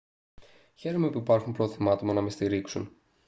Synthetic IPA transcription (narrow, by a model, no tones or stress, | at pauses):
çe̞ɾomeopiipɐɾxumpɾo̞θimɐt̪omɐnɐmest̪iɾiksun